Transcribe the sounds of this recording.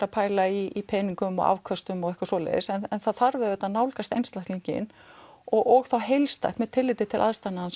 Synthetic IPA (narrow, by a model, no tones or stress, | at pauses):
ɾapʰaːjlaiipʰɛːniŋkʏmɔ̰ɣa̰wvkʰœst̪ʏmɔɣɛhkvasvɔːlɛ̰ðɪsɛnɛnθaðθaɾvɛðɛt̪naðnaːwlkast̪ejnst̪lahk̪liɲcɪ̰n | ɔɣɔɣθawɦejlst̪a̰jxt̪mɛðt̪ʰɪlːɪjt̪ɪt̪ʰɪlʔaðst̪ajnaans